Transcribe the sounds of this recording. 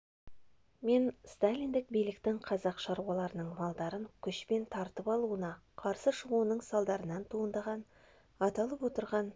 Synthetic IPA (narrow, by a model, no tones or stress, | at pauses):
me̞nst̪alʲijnd̪ɪk̚bijlɪkt̪ɪŋqʰɑzɑqʃɑɾuwɑlˠɑɾənəɴmɑlˠd̪ɑɾəŋkʲʰʏʃpe̞nt̪ʰɑɾt̪əpɑlˠuənɑqʰɑɾsəʃəʁuənəɴsɑlˠd̪ɑɾənɑnt̪ʰuənd̪ɑʁɑn | ɑt̪ɑlˠəpwo̞t̪əɾʁɑn